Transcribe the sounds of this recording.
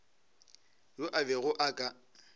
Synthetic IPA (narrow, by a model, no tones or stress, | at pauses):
jʊʔabɛɣʊʔakʼa